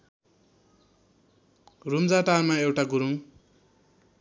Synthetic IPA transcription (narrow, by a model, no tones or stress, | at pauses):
rumd͡zaʈarmaewʈaɡuɾuŋ